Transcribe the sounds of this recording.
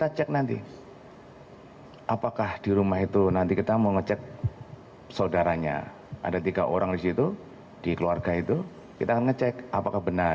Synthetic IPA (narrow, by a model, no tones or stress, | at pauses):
kit̪at͡ʃɛk̚nant̪ḭ | ʔapakahdiɾumaɦit̪unant̪ikit̪amoŋət͡ʃɛk̚ | saudaɾaɲa̰ | ʔa̰dat̪iɡaʔoɾaŋdisit̪u | d̥ikəluarɡait̪u | kit̪akanŋət͡ʃɛkʔapakahbəna